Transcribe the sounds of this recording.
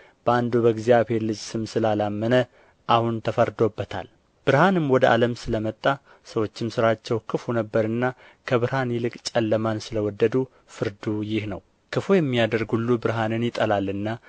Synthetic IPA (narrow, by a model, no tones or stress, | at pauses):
b̥əand̪uβəɡzijaβhe̞ɾlɨd͡ʒsɨmsɨlalamːənə | ʔahunt̪ʰəfəɾd̪o̞bːət̪ʰa̰l | b̥ɨɾhanɨmwɔd̪əʔa̰ləmsɨləmət̪ʼːa | səwo̞t͡ʃːɪmsɨɾat͡ʃːɛwkʰɨfunəbːəɾɨnːa | kʰəβɨɾhanjɪlɨkʼt͡ʃʼɛlːəmansɨləwɔd̪ːəd̪u | fɨɾd̪ujɪhnə̰w | kʰɨfujɛmːijad̪əɾɡulːubɨɾɦanɨnjɪt̪ʼəlalːɨnːa